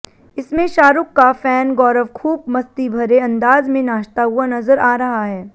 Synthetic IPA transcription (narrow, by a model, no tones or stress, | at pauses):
ɪsmẽʃaːɾʊkːafɛːnɡɔːɾəʋkʰuːb̚mɐst̪ibʱɐɾeɐ̃nd̪aːzmẽnaːʃt̪aɦʊanɐzəɾaːɾɐɦaɦɛː